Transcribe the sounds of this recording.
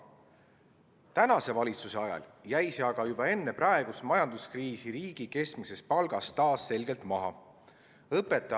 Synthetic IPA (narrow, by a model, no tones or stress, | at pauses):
t̪ænɑse̞vɑlʲit̪suse̞ɑjɑ̰ljæjseɑɡ̥ɑjubɑe̞nːe̞prɑe̞ɡ̥usmɑjɑnd̪̥uskriːsiɾiːɡ̥ike̞skmise̞spɑlɡ̥ɑst̪ɑːsːe̞lɡe̞lt̪mɑɦɑ̰ | ɤpːˑe̞t̪ːˑɑ